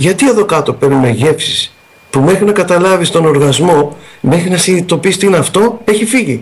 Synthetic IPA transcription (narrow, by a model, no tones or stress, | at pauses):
ʝɐt̪ieðo̞kɐt̪o̞pe̞ɾnume̞ʝe̞fsi̥s | pume̞xɾinɐkɐt̪ɐlɐvist̪o̞no̞ɾɣɐzmo̞me̞xɾinɐsinit̪o̞pist̪inɐft̪o̞e̞çifiʝi